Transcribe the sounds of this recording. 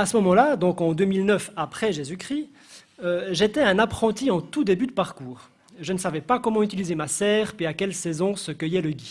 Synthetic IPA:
asəmɔmɑ̃lad̪ɔ̃kɑ̃d̪ømilnœfapχɛʒezykχi | øʒet̪ɛɛ̃napχɑ̃t̪iɑ̃t̪ud̪ebyd̪əpaʁkuːʁ | ʒənəsavɛpakɔmɑ̃yt̪ilizemasɛːʁpiakʲɛlsɛzɔ̃səkəjɛləɡʲi

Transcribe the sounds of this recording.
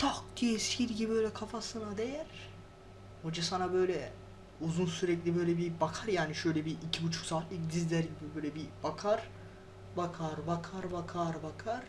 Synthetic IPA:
t̪ʰak̚d̪̥ijɛsiɾɟibibøjlʲɛkʰafasɯnad̪e̞jæɾ̥ | ho̞d͡ʒasanabø̞jlʲɛ | uzunsyɾɛclʲibø̞jlʲɛbibakʰaɾjaːniʃø̞jlʲɛbiʔicʰibut͡ʃʰu̥ksaːt̪lˠɯkd̪izlʲæɾɟibibøːlʲɛbibakʰaɾ̥ | bakʰaɾbakʰaɾbakʰaɾbakʰaɾ̥

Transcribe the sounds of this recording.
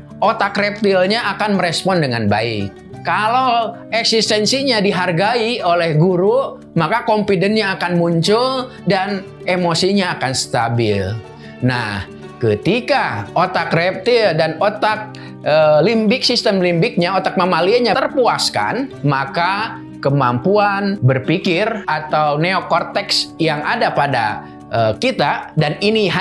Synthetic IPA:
ʔot̪akrɛp̚t̪ilɲaakanməɾɛspɔndəŋanba̰ɪ̰kː | alaw | ɛksist̪ɛnsiɲadiɦarɡaiolɛhɡuɾu | makakɔmpidɛnɲaːkanmuɲt͡ʃʊl | dan | emosiɲaːkansə̥t̪abɪ̰l | na̰h | kət̪ikaot̪akrɛp̚t̪idanot̪ak̚ | əlimbɪk̚sist̪əmlimbɪk̚ɲaot̪ak̚mamaliaɲat̪ərpuaska̰nmaka | kəmampuanbərpikɪrat̪awneokɔrt̪ɛksjaŋadapada̰ | ʔəkit̪adaniniɦ

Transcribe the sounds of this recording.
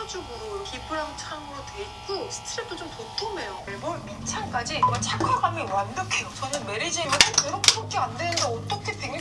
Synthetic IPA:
ad͡ʑoɡuɾokipʰɯɾamut͡ɕʰaŋmɯɾotweik͈osʰɯ̥tʰɯɾit͈ot͡ɕomtok͈ume̞joɭboɾmint͡ɕʰank͈ad͡ʑikat͡ɕakɯokamʌnwandɯkʰeot͡ɕʌɲʌnme̞ɾid͡ʑiokɯɾʌkʰebok͈ʰeandwenɯndeʌt͈ʌkʰe̞tɯŋi

